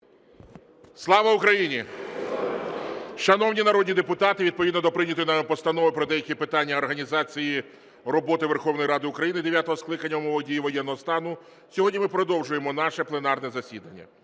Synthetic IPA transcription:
slˠɑʋɐʊkɾɐjinʲi | ʃɐnɔwnʲinɐɾɔd̪ʲnʲid̪epʊt̪ɑt̪ɪʋʲid̪̚pɔʋʲid̪nɔd̪ɔpɾɪnʲɐt̪ɔjinɑmɪpɔst̪ɐnɔʋɪpɾɔd̪ɛjɐkʲipɪt̪ɑnʲːɐɔrɦɐnʲizɑt͡sʲiji | rɔbɔt̪ɪʋerxɔwnɔjɾɑd̪ɪʊkɾɐjinɪd̪eʋʲjat̪ɔɦɔsklˠɪkɐnʲːɐumɔʋɔdʲijiʋɔjɛnːɔɦɔst̪ɑnʊ | sʲɔɦɔdʲnʲimɪpɾɔd̪ɔwʒʊjemɔnɑʃɛplˠenɑrnɛzɐsʲid̪ɐnʲːɐ̰

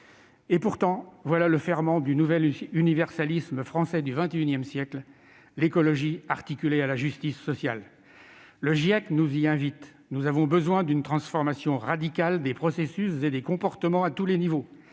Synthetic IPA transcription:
epuʁt̪ɑ̃vwalaləfɛʁmɑ̃d̪ynuvɛlynivɛʁsalisməfχɑ̃sɛd̪yvɛ̃t̪eynjɛmsjɛkl | lekɔlɔʒiaʁt̪ikʲylealaʒyst̪isːɔsjal | ləʒiaknuziɛ̃vit̪ | nuzavɔ̃bəzwɛ̃d̪ynt̪χɑ̃sfɔʁmasjɔ̃ʁad̪ikald̪epχɔsesyszed̪ekɔ̃pɔʁt̪əmɑ̃at̪ulenivo

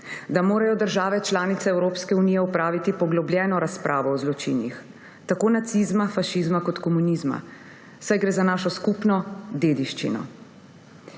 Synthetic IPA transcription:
d̪amoːɾajɔd̪əɾʒaːʋɛt͡ʃlaːnit̪sɛɛwɾoːpskɛuniːjɛupɾaːʋit̪ipɔɡlɔbljɛːnɔɾaspɾʔaːʋɔɔzlɔt͡ʃḭnjḭx | t̪akoːnat̪sizmafaʃizmakɔt̪kɔmunizma̰ | sajɡɾeːzanaːʃɔskupnɔd̪eːd̪iʃt͡ʃḭnɔ̰

